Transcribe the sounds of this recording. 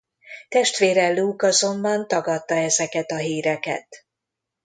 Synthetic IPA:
t̪ɛʃt̪ʋeːɾɛluːkɒzo̞mbɒnt̪ɒɡɒt̪ːɒɛzɛkɛt̪ɒɦiːɾɛkɛ̰t̪

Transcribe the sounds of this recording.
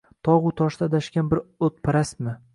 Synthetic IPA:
t̪ʰɒʁʊt̪ʰɒʃd̪ad̪aʃkʲanbɪɾot̪̚pʰaɾasmɪ

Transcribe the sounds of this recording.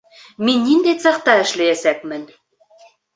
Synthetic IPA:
minʲːind̪et͡sɤ̆χt̪ɑɘ̆ʃlɘ̆jæsæk̚mɘ̆nʲ

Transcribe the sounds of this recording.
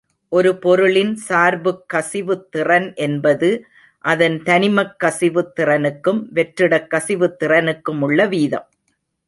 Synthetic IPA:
ʔɔɾɯpɔɾɯɭɪnsaːɾbɯkːɐsɪʋɯt̪ːɪrɐnʔɛnbɐðɯ | ʔɐðɐnt̪ɐnɪmɐkːɐsɪʋɯt̪ːɪrɐnɯkːɯmʋɛʈɾɪɽɐkːɐsɪʋɯt̪ːɪrɐnɯkːɯmʊɭːɐʋiːðɐm

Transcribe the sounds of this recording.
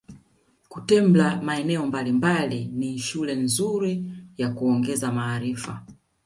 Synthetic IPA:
kutɛmblamaɛnɛɔmbalimbaliniʃulɛnzuɾijakuɔŋɡɛzamaːɾifa

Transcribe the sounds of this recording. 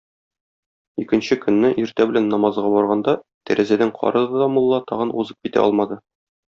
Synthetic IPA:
ikɘ̆nɕɘkɵ̆nːɘʔiɾt̪æbɘ̆lænːɒmɑzʁɑbɒɾʁɑnd̪ɑt̪æɾʔæzæd̪æŋqʰɒ̰ɾɤ̆d̪ɤd̪ɒmulˠːɑt̪ɒʁɤnṵzɤp̚kʲit̪æ̰ʔɒ̰lˠmɑd̪ɤ

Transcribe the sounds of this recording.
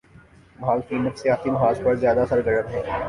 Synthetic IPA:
mɦaːlkiːnətseaːt̪ʰimɐɦaːzpɐɾzjaːd̪asɐɾɡɐɾət̪ɦɛ̃ː

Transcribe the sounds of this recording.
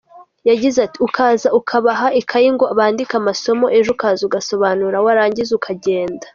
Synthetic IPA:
jaɟizatiukʰaːzaukʰaβaɦaikʰajiŋɡo̞aβaːndikamaso̞mo̞ʔe̞ʒokaːzuɡaso̞βaːnuɾawaɾaːɲɟizukʰaɟe̞ːndḁ

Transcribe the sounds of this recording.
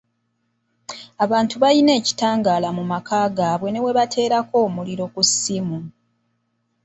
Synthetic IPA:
aβaːntuβaline̞ːci̥taːŋɡaːlamumakaːɡaːβwe̞ne̞we̞βatʰe̞ːɾako̞ːmuliɾo̞kusimu

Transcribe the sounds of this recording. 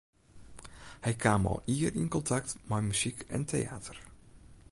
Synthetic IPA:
hɛjkʰaːmɔ̰lˠiərinkɔntʰak̚tmɛjmyz̥ikɛ̰ntʰḛjaːtʰər

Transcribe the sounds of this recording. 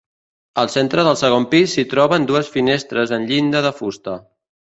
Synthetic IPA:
əlˠsent̪ɾəðəlˠsəɣ̞ompisːit̪ɾɔβənd̪uəsfinest̪ɾəzənʎind̪əðəfust̪ə

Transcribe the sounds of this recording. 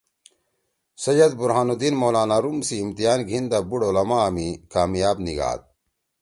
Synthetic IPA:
sɐjɐd̪̚buɾɦaːnud̪inmoːlaːnaɾumsiːmt̪ijaːnɡʱind̪abuɽolɐmaːɐmikaːmjaːbniɡa̰ːd̪̚

